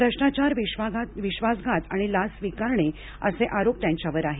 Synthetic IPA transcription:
pɾəɕɳat͡ɕaɾʋiʋaɡaʋiɕʋasɡʱat̪aɽ̃ilasʋikaɾɳe | ə̰seʔaɾop̚t̪jãɲt͡ɕjaʋəɾaɦe

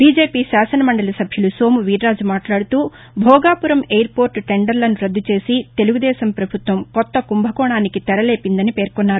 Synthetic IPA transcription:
biːd͡ʒe̞ːpiːsaːsɐnɐmɐɳɖɐlɐsɐbʱjulusoːmuʋiːɾːaːd͡ʒumaːʈlaːɽut̪uː | bʱɔːɡaːpuɾɐmeːjɐɾpo̞ːɾʈʈeɳɖɐɾlɐnuɾɐd̪ːut͡ʃe̞ːsit̪e̞luɡud̪ɛːsɐmpɾɐbʱut̪ʋɐmkɔt̪ːɐkumbʱɐkɔːɳaːnikit̪ɛɾɐle̞ːpind̪ɐnipe̞ːɾkɔnːaːɾu

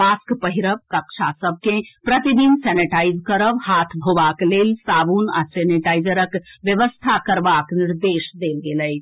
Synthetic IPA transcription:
maskpəɦiɾəbkəkt͡ʃʰasəb̚ʱkẽpɾət̪id̪insɛniʈaid͡ʒkəɾəbhat̪ʰbʱobaklelsabuna̰sɛniʈajd͡ʒəɾəkʋjəʋəst̪ʰakəɾbakniɾd̪esd̪elɡeləjʰ

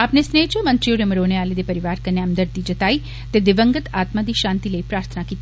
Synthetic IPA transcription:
aːpnesneːt͡ʃomənt̪ɾijoɾeməɾoːneaːled̪epəɾiʋaːɾkəɾneamd̪əɾt̪id͡ʒət̪ai | t̪ed̪ɪʋəŋɡət̪aːt̪mad̪iʃãːnt̪iləipɾaːɾt̪ʰənakit̪

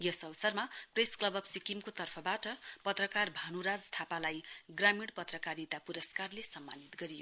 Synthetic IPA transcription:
jʌsʌwʌsʌrmapresklʌbʌbsikimkot̪ʌrpʰʌbaʈʌpʌt̪rʌkarbʱanuɾad͡zt̪ʰapalajɡramiɽpʌt̪rʌkaɾit̪apuɾʌskarlesʌmːa̰nit̪ɡʌɾijo

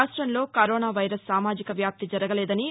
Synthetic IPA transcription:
ʂʈɾɐnlo̞ːkɐɾoːnaːʋɐjɾɐsːaːmaːd͡ʒikɐʋjaːp̚t̪id͡ʒɐɾɐɡɐlɛːd̪ɐni

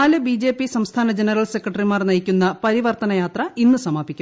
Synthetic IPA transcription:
aːlɨbid͡ʑe̞ːpːisɐmst̪ʰaːnɐd͡ʑenɐrɐlse̞kːɐʈɐrimaːrnɐjikʲːunːɐpɐɾiʋɐrt̪ɐnɐjaːt̪rɐʔinːusɐmaːpikʲːu

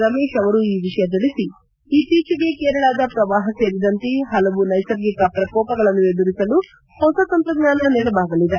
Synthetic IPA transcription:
ɾɐmeːʂɐʋɐɾuiːʋiʂɐjɐt̪̬ilisi | iːt̪iːt͡ʃɐɡekeːɾɐɭaːd̪ɐpɾɐʋaːɦɐt͡ʃeːɾid̪ɐnt̪iɦɐlɐʋunɐjsɐɾɡikɐpɾɐkɔːpɐɡɐɭɐnːued̪uɾisɐlu | hɔsɐt̪ɐnp̪ɾɐɡɲaːnɐnɛːɽɐbaːɡ̪ɐlid̪e

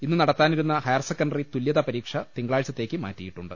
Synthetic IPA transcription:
inːɨnɐɽɐt̪ːaːniɾunːɐhɐjɐrsekːɐnɖɐrit̪uljɐðɐpɐɾiːkʂɐt̪iŋɡɐɭaːɭt͡ɕːɐt̪ːe̞ːkʲːɨma̰ːtːijiʈːuɳɖɨ

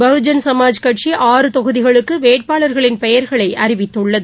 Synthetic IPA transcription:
bɐɯd͡ʒɐnsɐmaːd͡ʒkɐʈt͡ʃiʔaːrɯt̪ɔɣɯðɪɣɐɭɯkːɯʋeːʈ̚paːɭɐɾɣɐɭɪnpɛjɐɾɣɐɭɐɪʔɐɾɪʋɪt̪ːɯɭːɐðɯ

